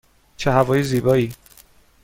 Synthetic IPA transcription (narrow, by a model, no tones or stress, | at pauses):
t͡ʃʰeɦævɒːjiziːbɒːiː